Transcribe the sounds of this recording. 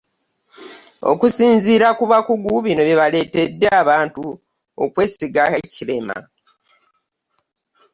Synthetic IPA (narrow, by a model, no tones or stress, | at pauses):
o̞̰kusiːnziːɾakuβakuɡuβino̞βiβale̞ːte̞dːeaβaːntu | o̰kwe̞ːsiɡaecile̞ma̰